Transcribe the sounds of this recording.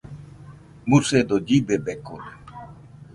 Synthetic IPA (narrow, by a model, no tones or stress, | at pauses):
mused̪od͡ʒibebekʰoɾ